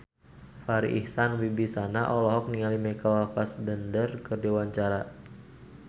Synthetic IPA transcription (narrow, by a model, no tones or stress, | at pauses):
faɾḭʔihsanwibisanaʔɔlɔɦɔk̚niŋalimɛkawafasdəndərkərdewaɲt͡ʃaɾa